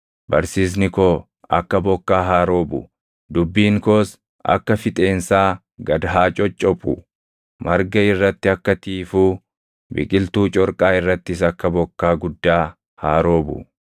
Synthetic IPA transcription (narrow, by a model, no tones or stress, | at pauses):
bɐɾsiːs̬nɪkoː | ʔɐ̰kːɐbɔkːaːɦaːɾo̞ːbʊ̰ | d̪ʊbːiːŋkoːs | ʔɐ̰kːɐfɪt̪ʼeːnsaː | ɡɐd̪ɐɦaːt͡ʃʼɔt͡ʃʼːɔpʼʊ̰ | mɐɾɡɐɪrːɐt̪ːɪɐkːɐt̪iːfuː | bɪ̰kʼɪlt̪uːt͡ʃʼɔɾkʼaːɪrːɐt̪ːɪsɐkːɐbɔkːaːɡʊd̪ːaː | haːɾo̞ːbʊ̰